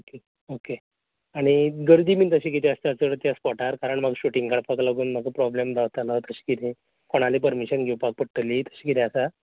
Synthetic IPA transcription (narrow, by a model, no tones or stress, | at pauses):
oke | oke | aɽ̃iɡəɾd̪iːmiːt̪əɕĩkit̪iəst̪ət͡səɽt̪jaspɔʈaɾkaɾəɳm̤aɡɕuʈiŋɡkaɽpaklaɡuːnm̤aɡʱapɾɔblemd̪ʱaʋt̪alat̪əɕi̥kit̪ʰĩ | koɽ̃alepəɾmiɕənɡʱewpak̚pəɽʈəlit̪ə̥ɕikit̪ʰẽasa